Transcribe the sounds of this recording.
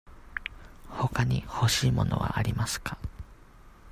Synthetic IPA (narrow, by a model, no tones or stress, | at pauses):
ho̞kaɲ̟iho̞ɕiːmo̞no̞̰βa̰ʔaɾʲimasɨ̥kʰḁ